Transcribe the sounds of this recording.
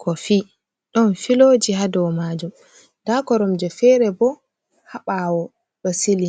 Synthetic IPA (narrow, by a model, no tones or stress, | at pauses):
kʰɔfi | ɗɔnfiloːd͡ʒiɦadɔwmad͡ʒum | dakɔɾɔmd͡ʒɔfɛɾɛbɔ | haɓawɔ | ɗɔsili